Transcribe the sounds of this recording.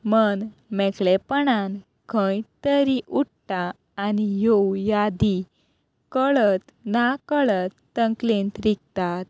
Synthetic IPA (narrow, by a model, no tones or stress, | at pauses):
mənmɛkɭɛpəɳan | kʰə̃jt̪əɾiʔuʈ̚ʈaː | nijowjad̪i | kəɭət̪ | nakəɭət̪ːəŋklint̪ɾik̚t̪at̪̚